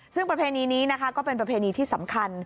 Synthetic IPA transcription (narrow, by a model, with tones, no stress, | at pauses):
sɯ˥˩ŋpɾa˧pʰeː˧niː˧niː˦˥na˦˥kʰa˦˥kɔː˥˩pe˧npɾa˧pʰeː˧niː˧t̪ʰiː˥˩sa˩˦mkʰa˧n